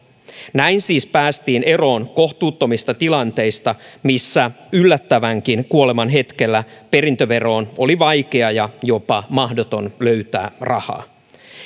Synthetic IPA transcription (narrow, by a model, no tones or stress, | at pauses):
næjnsiːspæːst̪iːne̞ro̞ːnkoxt̪uːt̪ːo̞mist̪ɑt̪ilɑnt̪e̞jst̪ɑmisːæ | ylːæt̪ːæʋæŋkinkuo̞le̞mɑnɦe̞t̪ke̞lːæpe̞ɾint̪øʋe̞ro̞ːno̞liʋɑjk̟e̞ɑjɑjo̞pɑmɑɦdo̞t̪o̞nløɥt̪æ̰ːrɑhɑ̰ː